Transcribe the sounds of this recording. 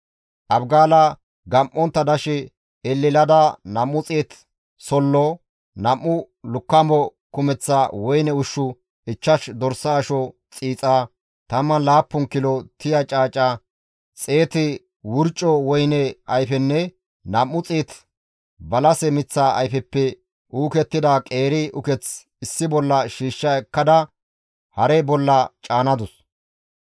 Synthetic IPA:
ʔɐbɡaːlɐ | ɡɐmʔːɔnt̪ːɐd̪ɐʃɛ | ɛlːɪlɐd̪ɐnɐmːʊt͡sʼeːt̪ | sɔlːɔ | nɐmːʊ | lʊkːɐmɔkʊmɛt͡sːawɔjnɛʊʃːʊ | ɪt͡ʃːɐʃd̪ɔɾsɐːʃɔt͡sʼiːt͡sʼaː | t̪ɐmːɐnlaːpːʊŋkɪlɔt̪ɪjɐt͡ʃʼaːt͡ʃʼːɐ | t͡sʼeːt̪ɪ | wʊɾt͡ʃʼːɔwɔjnɛɐjfɛnːɛ | nɐmːʊt͡sʼiːt̪ | bɐlɐsɛmɪt͡sːaːɐ̰jfɛpːɛ | ʔuːkɛt̪ːɪd̪aːkʼeːɾɪʊkɛt͡s | ɪsːɪbɔlːɐʃiːʃːɐɛkːɐd̪ɐ | hɐɾɛbɔlːɐt͡ʃʼaːnɐd̪ʊs

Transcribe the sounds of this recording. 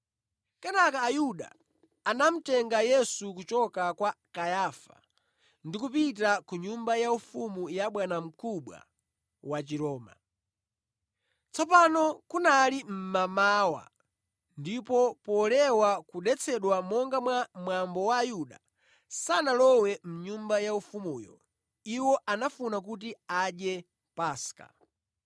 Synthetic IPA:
kɛnakaːjuɗa̰ː | nam̩tɛŋɡajɛsukut͡ʃɔkakwakajaːfa̰ | ndikupit̬akuɲumbajaufumujaɓwanam̩kuɓwa̰ | wat͡ʃiɾɔːma̰ | t͡sɔpanɔkunalim̩mamaːwa̰ | ndipɔpɔlɛwakuɗɛt͡sʰɛɗwamɔŋɡamwamwambɔwaːjuɗa̰ | sanalɔwɛm̩ɲumbajaufumuːjɔ̰ | iwɔʔanafunak̬ut̬iaɗjɛ | paska̰

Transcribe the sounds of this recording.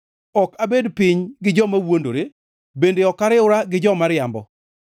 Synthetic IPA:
ɔkabedpɪɲɡɪd͡ʒɔmawondo̰ɾe | bendeɔkaɾɪʊɾaɡɪd͡ʒɔmaɾɪjambɔ

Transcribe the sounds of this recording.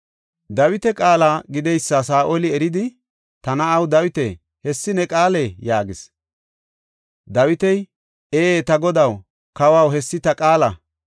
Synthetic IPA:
d̪ɐwɪt̪ɛkʼaːlaːɡɪd̪ɛjsːasaːʔolɪɛɾɪd̪ɪ | t̪ɐnɐːwd̪ɐwɪt̪ɛ | hɛsːɪnɛkʼaːlɛjaːɡɪs | d̪ɐwɪt̪ɛj | eːeːt̪ɐɡɔd̪ɐw | kɐwɐwɦɛsːɪt̪ɐkʼaːlɐ

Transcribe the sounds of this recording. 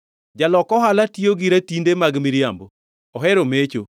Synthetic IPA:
d͡ʒalɔkɔɦalatijoɡiɾatindemaɡmiɾjamboː | ɦɛɾomet͡ʃo

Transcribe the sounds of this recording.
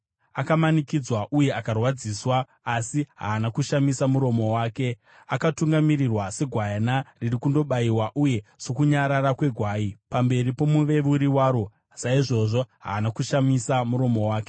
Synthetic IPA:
akamanikid͡zwaʔuje̞akarwad͡ziːswaː | siɦa̰ːnakuʃamisamuɾo̞mo̞waːke̞ | akatuŋɡamirirwase̞ɡʱwajanaririkundo̞ɓaiwaʔuje̞so̞kuɲaɾaɾakwe̞ɡʱwaːipambe̞ɾipo̞muʋe̞ʋuɾiwaːɾo̞ | saiʐo̞ʐo̞ɦa̰ːnakuʃamisamuɾo̞mo̞waːke̥

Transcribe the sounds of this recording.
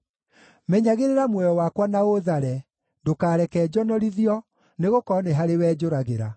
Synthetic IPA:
mɛɲaɣeɾeɾamwɛjɔwaːkwanaoðaɾɛ | dokaːɾɛkɛːd͡ʑɔnɔɾiðiɔ | neɣokɔneɦaɾewɛːd͡ʑoɾaɣeɾa̰

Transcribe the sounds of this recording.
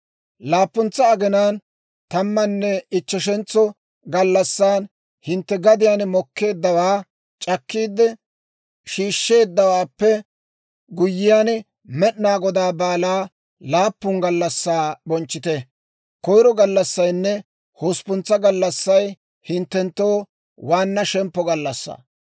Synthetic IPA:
laːpːʊnt͡sːɐːɡɛnaːn | t̪ɐmːɐnːɛɪt͡ʃːɛʃɛnt͡sːɔ | ɡɐlːɐsːaːn | hɪnt̪ːɛɡɐd̪ɪjanmɔkːe̞ːd̪ːɐwaː | t͡ʃʼɐkːiːd̪ɛ | ʃiːʃːe̞ːd̪ːɐwaːpːɛ | ɡʊjːɪjan | mɛɗnaːɡɔd̪aːbaːlaː | laːpːʊŋɡɐlːɐsːaːbɔnt͡ʃːɪt̪ɛ | kɔjɾɔɡɐlːɐsːɐjnːɛ | hoːspʊnt͡sːɐɡɐlːɐsːɐj | hɪnt̪ːɛnt̪ːoː | waːnːɐʃɛmpːɔɡɐlːɐsːa̰ː

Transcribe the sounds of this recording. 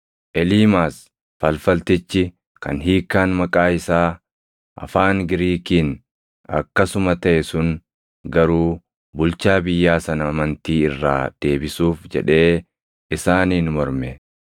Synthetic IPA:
ʔɛliːmaːs | fɐlfɐlt̪ɪt͡ʃːɪ | kɐ̰nɦiːkːaːnmɐkʼaːɪsaː | ʔɐ̰faːŋɡɪɾiːkiːn | ɐ̰kːɐsʊmɐt̪ɐʔɛsʊn | ɡɐɾuː | bʊlt͡ʃaːbɪjːaːsɐnɐːmɐnt̪iːɪrːa̰ːd̪̥e̞ːbɪsuːfd͡ʒɛ̰ᶑe̞ː | ɪsaːniːnmɔɾmɛ

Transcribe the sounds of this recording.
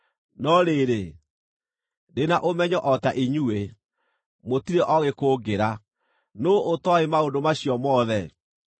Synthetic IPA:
nɔɾeɾe | denaʔomɛɲɔʔɔtaʔiɲuwe | motiɾeʔɔɣekoːɡeɾa | nootɔemaondomaɕjɔmɔðɛ

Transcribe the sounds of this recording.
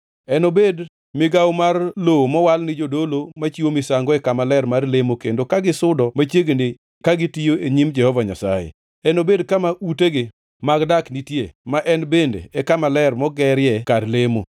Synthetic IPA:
ɛnobed | mɪɡawmarlomɔwalnɪd͡ʒodolomat͡ʃiwomɪsaŋɡɔɛkamalɛɾmarlemokendokaɡɪsʊdɔmat͡ʃjeɡene | kaɡɪtijoeɲimd͡ʒɛhɔvaɲa̰sa̰jḛ | ɛnobedkamaʔuteɡɪ | maɡdaknitjemaʔɛnbendḛɛkamalɛrmɔɡɛɾjɛkadlemo̰

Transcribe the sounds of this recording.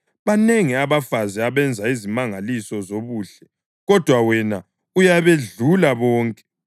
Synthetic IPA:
βaneŋiaβafaziaβɛnd͡zʱaizimaŋalisɔzoβuːɬɛ | ɣɔd̥ʱwawɛna | ujaβeɮulaβɔːŋkʼɛ̥

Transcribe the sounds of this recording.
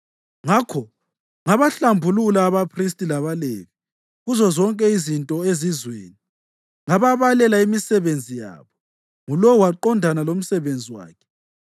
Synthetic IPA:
ŋakʰɔ | ŋaβaɬambʱululaːβapʰristʼilaβalḛβi | ɣuzɔzɔŋkʼɛizintʼɔezizwḛːni | ŋaβaβalɛlaimisɛβend͡zʱija̰βɔ | ŋulɔwaǃɔndʱanalom̩sɛβend͡zʱiwa̰ːkʰɛ̥

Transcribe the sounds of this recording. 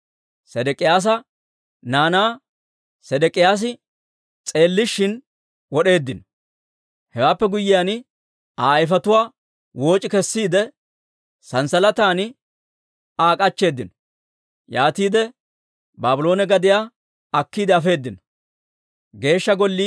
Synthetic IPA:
sɛd̪ɛkʼɪjaːs̬ɐ | naːnaː | sɛd̪ɛkʼɪjaːs̬ɪ | t͡sʼe̞ːlːɪʃːɪn | wɔɗe̞ːd̪ːɪnɔ̥ | hɛwaːpːɛɡʊjːɪjaːn | aːjɪfɐt̪ʊwaː | wo̞ːt͡ʃʼɪkɛsːiːd̪ɛ | sɐnsɐlɐt̪aːnɪ | aːkʼɐt͡ʃːe̞ːd̪ːɪnɔ̥ | jaːt̪iːd̪ɛ | baːbɪlo̞ːnɛɡɐd̪ɪjaː | ɐkːiːd̪ɛɐfe̞ːd̪ːɪnɔ̥ | ɡe̞ːʃːɐɡɔlːi

